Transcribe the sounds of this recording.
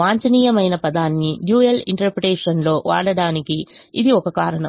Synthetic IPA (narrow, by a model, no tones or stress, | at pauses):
aːɲt͡ʃɐniːjɐmɐjnɐpɐd̪aːnːiɖjuːjɐlḭɳʈɐɾpɾeʈeːʂɐnlo̞ːʋa̰ːɽɐɽaːnikiːd̪iɔkɐkaːɾɐɳɐ